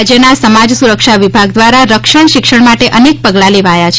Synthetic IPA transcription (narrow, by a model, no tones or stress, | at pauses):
d͡ʒjənasəmad͡ʒsuɾəkʃaʋibʱaɡd̪ʋaɾaɾəkʃəɳʃɪkʃəɳ̃maʈeʔənek̚pəɡlaleʋajat͡ʃʰ